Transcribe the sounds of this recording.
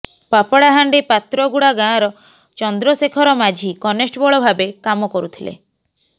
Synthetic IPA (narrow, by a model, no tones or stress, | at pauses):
papɔɽaɦaɳɖepat̪ɾɔɡuɽaɡãːɾɔ | t͡ʃɔnd̪ɾɔsekʰɔɾɔmad͡ʒʱikɔnesʈbɔɭɔbʱabekamɔkɔɾut̪ʰilḛ